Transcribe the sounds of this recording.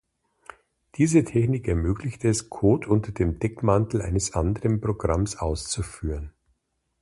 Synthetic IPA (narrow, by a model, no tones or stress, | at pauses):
d̥iːzətʰɛçnɪkɛɐmøːklɪçtəɛskʰoːtʰʔʊntɐdeːmdɛkmantl̩ʔa̰ɪnəsʔandəʁənpʁ̥oɡʁamsʔaʊst͡sufyːʁən